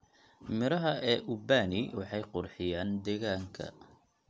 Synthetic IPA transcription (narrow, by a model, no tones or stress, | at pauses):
mɪɾɐɦɐɛːʔʊbaːnɪwɑħɑjqʊrħɪjaːnd̪ɛɣaːŋkʰɐ̰